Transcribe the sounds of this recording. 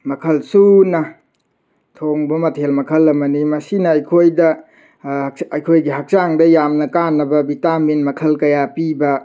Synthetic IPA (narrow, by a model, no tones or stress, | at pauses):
mɐkʰɐlsunɐ | tʰoŋbɐmɐtʰhelmɐkʰɐlɐmɐnimɐsinɐɐjkʰojdɐ | ɐjkʰojɡiɦɐk̚saŋdɐjamnɐkanːɐbɐbitaminmɐkʰɐlkɐjapibɐ